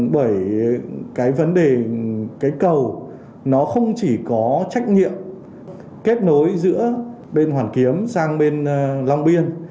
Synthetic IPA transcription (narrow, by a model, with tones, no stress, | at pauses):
ɓəː˧˩j | kaː˨˦jvə˨˦nɗe˨˩kaː˨˦jkə˨˩w | nɔ˨˦xə˧wŋ͡mt͡ɕi˧˩kɔ˨˦t͡ɕa˦˥jk̟̚ɲḭ˧˨əm | ke˦˥t̚no˨˦jzɨ̰˧˥ə | ɓe˧nhwaː˨˩nki˨˦əmsaː˧ŋɓe˧nla˧wŋ͡mɓi˧ən